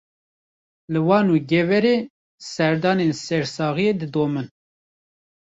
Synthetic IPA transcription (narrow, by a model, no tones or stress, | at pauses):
lɨwɑːnuːɡɛvɛɾeː | sɛɾd̪ɑːnensɛɾsɑːɣijeːd̪ɨd̪oːmɨn